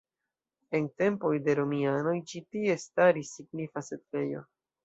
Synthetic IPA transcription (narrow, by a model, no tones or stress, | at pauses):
e̞nte̞mpo̞jde̞ɾomiano̞jt͡ʃitie̞staɾisːiɡnifase̞tve̞jo̞̰